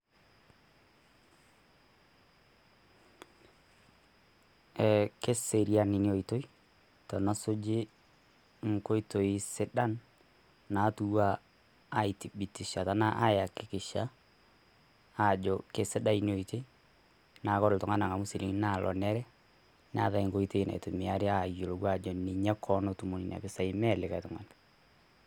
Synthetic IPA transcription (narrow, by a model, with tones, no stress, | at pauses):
ɛ˨ke˦se˨ɾi˦a˨nɪ˨ni˦o˨i˨to˦i˦ | tɔ˨na˦sʊ˦d͡ʒɪ˦ | ŋ̩˨ko˦i˦to˨i˦sɪ˦ɗa˦nː | a˨˦tu˦waː˦ | i˨ti˨bi˨ti˨ʃa˨ta˦na˦ʔa˦ja˨kɪ˨˦kɪ˨ʃa˦˨ | d͡ʒɔ˨ke˨sɪ˦da˦i˦no˨ite˦ | na˨˦kɔ˦ɾʊ˨tʊ˨ŋa˦na˨ŋa˨mʊ˦si˨li˦ŋna˨lʔɔ̰˨nɛ˦ɾɛ˦ | na̰˨˦ða˨i˨ŋko˦ito˦i˦na̰˨ḭ˨tʊ˨mɪ˨a˦ɾɪ˦a˨jo˨lo˨kwa˦d͡ʒɔ˨nɪ˨ɲɛ˦kʰɔ˦no˦tu˨mo˨ni˨na̰˨bɪ˦sa˨i˦mɛ˦lɪ˨ka˨tʊ˨ŋa̰˨n